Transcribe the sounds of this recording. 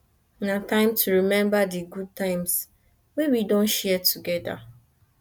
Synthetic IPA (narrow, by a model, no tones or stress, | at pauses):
natãɪ̃mtʰuɹimɛ̃mbadiɡud̚tãɪ̃ms | wewidõnʃɛɛtʰuɡɛda̰